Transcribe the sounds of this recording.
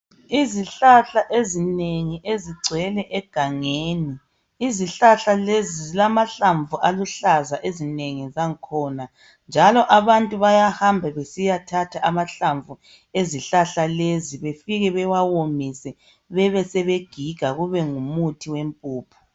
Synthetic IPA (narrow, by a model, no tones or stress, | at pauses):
iziɬaɬaʔezineŋiʔeziɡ͡ǀʱɛlɛʔɛɡ̥ʱaŋeːni | iziɬaɬalezizilamaɬaɱvuʔaluɬazaʔezineŋizaŋkʰɔːna | nd͡ʒʱalɔʔaβantʼuβajahambʱɛβesijatʰatʰaʔamaɬaɱvu | eziɬaɬaleziβefiɣɛβɛwawomisɛ | βɛβɛsɛβeɡ̥ʱiɡ̥ʱaɣuβɛŋumutʰiwempʼuːpʰu̥